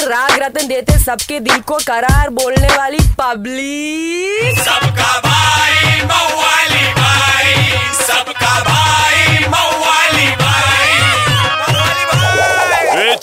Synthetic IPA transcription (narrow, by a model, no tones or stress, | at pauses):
ɾaːɡɾət̪ənd̪eːt̪esɐbked̪ɪnkokɐɾaːɾboːlneʋaːlipɐbli | sbkabʱamalibʱa | sɐbabamɐaːlibʱa